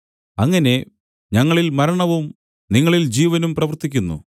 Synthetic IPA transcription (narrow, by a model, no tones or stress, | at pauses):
ɐŋːɐne̞ | ɲɐŋːɐɭilmɐɾɐɳɐʋum | niŋːɐɭild͡ʑiːʋɐnumprɐʋɐrt̪ːikʲːunːṵ